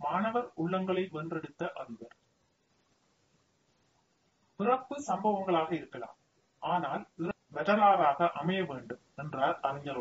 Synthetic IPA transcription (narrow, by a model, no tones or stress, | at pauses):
maːnɐʋɐɾʊɭːɐŋɡɐɭɐɪʋɛndrɛɽɯt̪ːɐʔɐɾɯʋɐɾ | pɪrɐpːɯsɐmbɐʋɐŋɡɐɭaːɣɐɪɾɯkːɐɭa̰ːm | ʔaːnaːlɪɾ | ʋɛðɐlaːɾaːɣɐʔɐmɐjɐʋeːɳɖɯmɛndraːɾɐɾɪɲːɐɾ